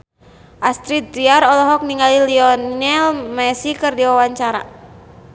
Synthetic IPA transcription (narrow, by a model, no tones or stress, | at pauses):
ʔast̪ɾit̪̚ɾiaɾɔlɔɦɔk̚niŋɡaliliɔnnɛlmɛsikɨrdiwawaɲt͡ʃaɾa̰